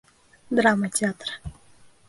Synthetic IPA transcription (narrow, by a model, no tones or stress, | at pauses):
d̪ɾaːmat͡ʃaːt̪ɾḁ